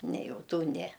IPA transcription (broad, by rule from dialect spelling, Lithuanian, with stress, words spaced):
nʲɛ ˈjɛʊ ˈtuː ˈnʲɛ